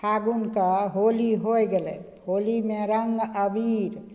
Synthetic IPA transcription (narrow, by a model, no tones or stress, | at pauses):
aɡunkaɦoliɦojɡelɛ̰ | holimẽɾəŋɡəbiɾ